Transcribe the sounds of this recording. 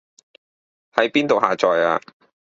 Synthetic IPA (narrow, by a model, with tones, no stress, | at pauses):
hɐ˨˥jpiː˥nt̪o˨whaː˨t͡sɔː˨jaː˧